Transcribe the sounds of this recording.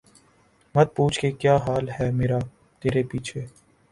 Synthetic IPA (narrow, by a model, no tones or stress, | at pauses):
mɐt̪̚puːt͡ʃʰkekjaːɦaːlɦɛːmeːɾa | t̪eːɾepiːt͡ʃʰeː